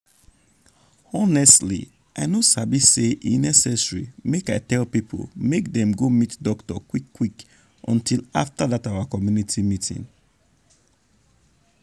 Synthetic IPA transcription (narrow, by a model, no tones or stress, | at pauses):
ɔnɛstlḭ | ʔaɪnosabiseʔinɛsɛsɹimekaɪtɛlpipʰo̰lmek̚dɛ̃mɡomitdɔktɔ̰kwikːwik | ʔɔ̰̃ntʰila̰ftaðataʊakɔmjunitʰimitʰḭ̃ŋ